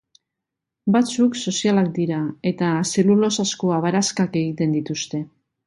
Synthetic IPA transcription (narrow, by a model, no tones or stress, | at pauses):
bat͡sukso̞sialak̚d̪iɾae̞t̪ase̞lulo̞saskoaβaɾaskake̞ɣit̪e̞nd̪it̪ust̪e̞